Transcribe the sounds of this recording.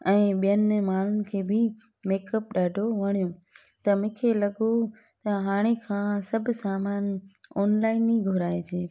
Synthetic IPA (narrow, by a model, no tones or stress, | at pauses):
ɛ̃ːɓijənmaːn̤ʊnɪ̆kʰeːbɪ | meːkəp̚ɗaːɖʱoʋɐɽ̃ijõ | t̪ɐmʊ̃kʰelɐɠo | t̪ɐɦaːɽ̃ekʰãːsɐbʱsaːmaːnɔːnlaːɪniɡʱʊɾaːed͡ʑeː